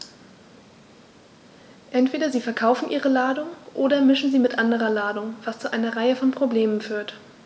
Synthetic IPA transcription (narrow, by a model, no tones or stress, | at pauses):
ʔɛntv̥eːdɐziːfɛɐkʰaʊfn̩ʔiːʁəlaːdʊŋʔoːdɐmɪʃn̩ziːmɪtʔandəʁɐlaːdʊŋv̥ast͡suʔaɪnɐʁaɪəfɔnpʁ̥obleːmənfyːɐt